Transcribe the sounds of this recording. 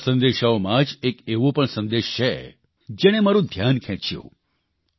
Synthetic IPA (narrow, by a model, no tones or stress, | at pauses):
sə̃nd̪eʃaomãd͡ʒekeʋõpəɳsə̃nd̪eʃt͡ʃʰe | d͡ʒeɽ̃emaɾũd̪ʱjankʰɛ̃t͡ʃjṵ̃